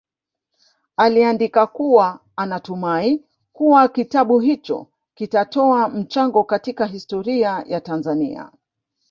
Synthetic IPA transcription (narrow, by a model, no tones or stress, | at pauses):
aliandikakuwa | anatumai | kuwakitaɓuɦit͡ʃɔ̰ | kitatɔam̩t͡ʃaŋɡɔkatikaɦistɔɾiajatanzanḭa̰